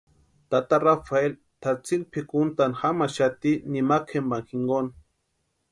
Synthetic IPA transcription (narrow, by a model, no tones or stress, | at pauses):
t̪at̪aɾafael | t̪aɾt͡silpʰikunt̪anxamaʃat̪inimakʰembaŋxiŋɡon